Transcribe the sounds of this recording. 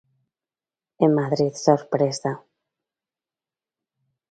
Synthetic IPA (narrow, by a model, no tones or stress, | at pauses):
emːaðɾiðsoɾpɾesa